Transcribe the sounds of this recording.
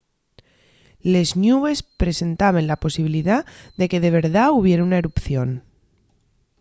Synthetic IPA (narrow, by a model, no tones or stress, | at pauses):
le̞znuβe̞spɾe̞se̞nt̪aβenlapo̞siβ̞iliðaðe̞ke̞ðe̞βe̞ɾðauβ̞je̞ɾunaeɾupθjo̞n